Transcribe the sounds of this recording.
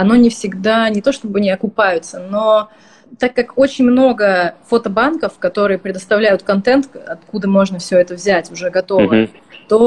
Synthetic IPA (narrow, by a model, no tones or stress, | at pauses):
ɐno̞nʲɪfsʲɪɡd̪anʲɪt̪o̞ʂt̪o̞bɨɐnʲɪɐkʊpajʊt̪səno̞ | t̪akːako̞t͡ɕɪnʲmno̞ɡəfot̪əbankəfkɐt̪o̞ɾɨjəpɾʲɪd̪əst̪ɐvlʲæjʊt̪kɐnt̪ɛnt̪ɐt̪kud̪əmo̞ʐnəfsʲɵɛt̪əvzʲætʲʊʐɛɡɐt̪o̞və | t̪o̞